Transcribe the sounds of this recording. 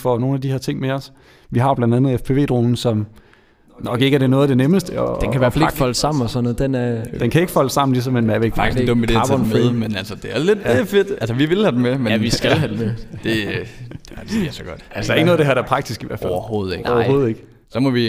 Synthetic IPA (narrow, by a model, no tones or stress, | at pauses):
fɒ̽no̝ːn̩æd̥iheɐt͡sʰe̝ŋ̰meɒ̽s | ʋiɦɑ̈o̥lænd̥ænð̞̩ˠefpʰe̝ʋe̝̰ːd̥ʁon̩sɒ̽m | nɒɡ̥e̝ɡ̥æɐd̥e̝nɔːð̞̩ˠd̥e̝neməsd̥əɒ̥enkʰæʋæːɐfleɡ̥fɒl̰sɑ̈m̰n̩ɒsɒ̽nð̩ˠd̥enæɐd̥enkʰæe̝ɡ̥əfɒ̽ləsɑ̈m̰n̩lis̬ɒ̽menmæʋeɡ̥fɑ̥̈sed̥ɔm̰ideb̥n̩meðˠmenælsəd̥e̝æɐled̥d̥eɐfed̥ælsəʋiʋe̝lhæd̥ememeʋisɡ̥æhæd̥emed̥e̝̥ | e̥jsɒɡ̥ɒd̥ælsd̥ɑɐeɡ̥nɔːð̩ˠdehæɐ̰ɾ̥ɑæɐpʰʁɑ̈ɡ̥̚d̥isɡ̥ʋɐfɒʊɐhoːð̩ˠe̝ɡ̥ɒʊɐo̝ːð̩ˠe̝ɡ̥ə | sɒ̽mɒʋi